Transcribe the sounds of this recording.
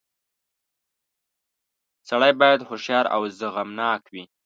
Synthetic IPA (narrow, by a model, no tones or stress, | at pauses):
saɽajbɑjad̪hʊʃjɑɾa̰wzəɣamnɑkwi